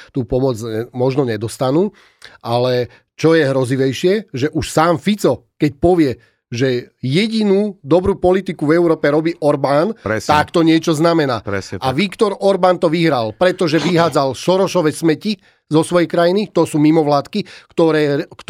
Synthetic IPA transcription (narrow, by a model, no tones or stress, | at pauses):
t̪uːpɔmɔd͡zmɔʒnɔɲɛd̪ɔst̪anuː | ʔalɛ | t͡ʃɔjɛɦɾɔziʋɛjʃɪɛʒɛʔuʃsaːmfit͡sɔkɛc̚pɔʋɪɛ | ʒɛjɛɟinuːd̪ɔbɾuːpɔlit̪ikuvɛʊɾɔːpɛɾɔbiːʔɔɾbaːnɛt̪akt̪ɔɲɪɛt͡ʃɔznamɛna̰ːɛsaʋikt̪ɔɾɔɾbant̪ɔʋiɦɾalpɾɛt̪ɔʒɛʋiɦaːd͡zalʃɔɾɔʃɔʋɛsmɛci | zɔsʋɔjɛkɾajinit̪ɔsuːmimɔʋlaːt̪kikt̪ɔɾɛːk̪